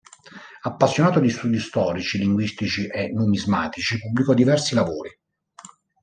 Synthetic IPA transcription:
apːasːjonaːt̪od̪ist̪uːd̪ist̪ɔːɾit͡ʃiliŋɡwist̪it͡ʃiʔenumizmaːt̪it͡ʃipubːlikɔd̪ivɛrsilavoːɾi

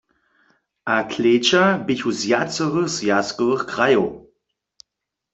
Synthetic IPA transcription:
akʰleːt͡ʃʰabɪçuzjat͡səʁəsjaskʼələχkʁajɔw

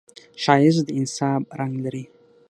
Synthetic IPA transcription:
ʃajɪzʷdinsapʼraŋɡlɾi

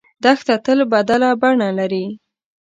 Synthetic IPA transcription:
d̪axt̪at̪əlbad̪alabaɳalaɾi

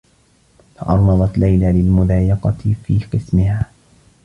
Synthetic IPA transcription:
t̪ʰɑʔɑɾˤːɑðˤɑt̪lajlaːlɪlmʊðaːjɪqɑt̪fiːqɨsmɪhaː

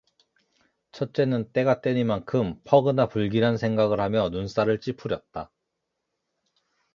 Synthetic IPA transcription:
t͡ɕʰʌt̚t͡ɕ͈e̞nɯnt͈e̞ɡat͈we̞ɲimankʰɯmpʰʌɡɯnapuɭɡiɾansʰeŋɡaɡɯɭhamjʌnuns͈aɾɯɭt͡ɕ͈ipʰuɾjʌt̚t͈a

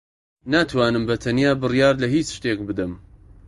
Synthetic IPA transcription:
nat̪ʰwɑːnɨmbɐt̪ʰɐnijaːbɨrijɑːɾlɐɦiːt͡ʃʃt̪eːk̚bɨd̪ɨm

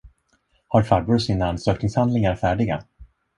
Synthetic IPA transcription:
haɾfaɾbɔsinaansøːknɪŋshand̪lɪŋaɾfæːɖɪɡa̰

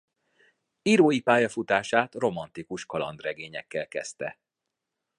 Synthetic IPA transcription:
iːɾoːjipaːjɒfut̪aːʃaːt̪ro̞mɒnt̪ikuʃkɒlɒ̰nd̪rɛɡeːɲɛkːɛlkɛst̪ɛ

